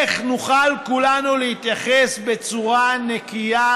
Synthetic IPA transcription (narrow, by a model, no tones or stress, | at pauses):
χnuχalkulanulehit̪jaχesbe̞t͡suʁanekija